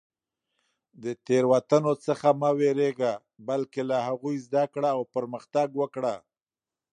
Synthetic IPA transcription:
d̪ət̪eɾwat̪anot͡səxamaweɾeɡa | balkelahaɣujzd̪akɽaːwpəɾməxt̪aɡwəkɽa

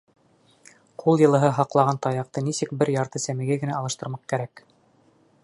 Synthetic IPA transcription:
qʰulˠjɤ̆lˠɤ̆ɦɤɦɑqlˠɑʁɑnt̪ɑjɑq̚t̪ɤnisɘk̚bɘɾjɑɾt̪ɤsæmɘ̆ɡæɡɘ̆næɑlˠɤ̆ʃt̪ɤ̆ɾmɑq̚kæɾæk

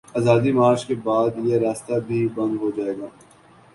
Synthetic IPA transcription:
aːzaːd̪imaːɾt͡ʃkebaːd̪jeɾaːst̪abʱibɐ̃nd̪ɦod͡ʒaːeːɡaː

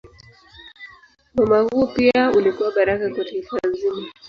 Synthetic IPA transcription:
mɔmahuɔpiaulikuwaɓaɾakakwataifanzima

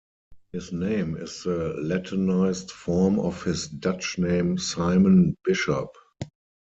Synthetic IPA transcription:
hɪsnẽɪ̃mɪsðəlɛtʰənaɪstfɔmɔfhɪsdat͡ʃnẽɪ̃msaɪmə̃nbɪʃɔp

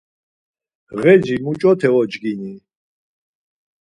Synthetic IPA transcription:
ʁɛd͡ʒimut͡ʃʼɔt̪ʰɛɔd͡ʒɡini

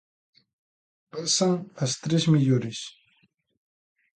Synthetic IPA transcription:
pasaŋast̪ɾesmɪjʊɾɪs

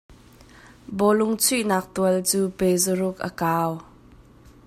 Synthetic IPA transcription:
bɔlʊŋt͡sʰuʔnaːk̚t̪uəlt͡suːpejzəɾʊk̚ʔə̰kaːw

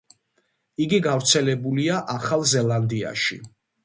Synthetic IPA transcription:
iɡiɡavɾt̪sʰɛlɛbuliaʔaχalˠzɛlˠand̪ia̰ʃḭ

